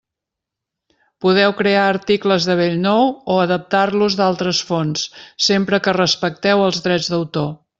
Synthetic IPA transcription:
puðɛwkɾeaəɾt̪ikləzðəβ̞eʎnɔwoəðəp̚t̪arluzd̪alˠt̪ɾəsfonsːempɾəkərəspək̚t̪ɛwəlˠzðɾɛd͡zðəwt̪o

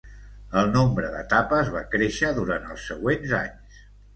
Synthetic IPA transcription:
əlˠnombɾəðət̪apəzβakɾeʃəðuɾant̪əlˠsəɣwenza̰ɲs

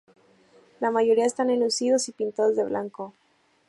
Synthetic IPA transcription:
lamaʝo̞ɾiae̞st̪anelusiðo̞sipint̪aðozðe̞βlaŋko

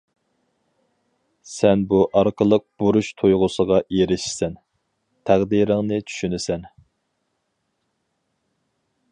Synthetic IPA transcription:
sɛnbuʔɑɾqəlˠəq̚b̥uɾuʃt̪ʰojʁʊsəʁɑjeɾɪʃi̥sɛn | t̪ʰæʁd̪iɾɪŋnɨt͡ʃʰy̥ʃynɪsɛn

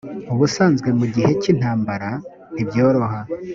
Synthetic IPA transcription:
uβusaːnzɡwe̞muɟihe̞cin̥haːmbaɾa | nibjo̞ːɾo̞ha

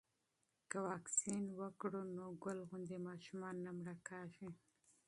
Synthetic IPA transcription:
kawɑksinwəkɽunoɡʊlɣʊnd̪emɑʃumɑnːamɽakɑʃi

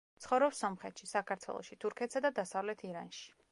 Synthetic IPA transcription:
t̪sχɔvɾɔpsɔmχɛt̪ʃisakʰaɾt̪ʰwɛ̰lˠɔ̰ʃit̪ʰuɾkʰɛt̪sad̪ad̪asavlɛt̪ʰiɾa̰nʃi̥

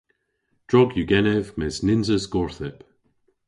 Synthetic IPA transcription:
d̥ɹɔɡjʉɡɛnɛvmɛznɪnzəzɡɔɹθɪp

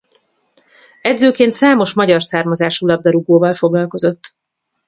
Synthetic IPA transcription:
ɛd̪zøːkeːnt̪saːmo̞ʃmɒɟɒrsaːrmɒzaːʃulɒb̚d̪ɒɾuɡoːvɒlfo̞ɡlɒlko̞zo̞t̪ː

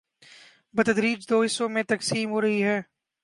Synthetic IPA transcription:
bət̪ɐd̪ɾiːd͡ʒd̪oːɦɪsomẽt̪ɐksiːmɦoːɾɐɦiɦɛː

